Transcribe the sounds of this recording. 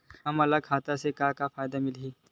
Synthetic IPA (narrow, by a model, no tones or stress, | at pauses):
ɦɐmɐlakʰaːt̪asekakafaːjd̪amɪlɦiː